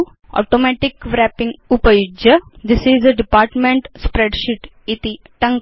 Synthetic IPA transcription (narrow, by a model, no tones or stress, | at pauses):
ʔɔ̰ːʈomɛʈɪkʋɾæpɪ̃ŋɡupəjʊd͡ʒəd̪ɪsizəɖɪpaːɾʈmẽɳʈspɾeɖʃiʈ | it̪i | ʈɐ̃ŋ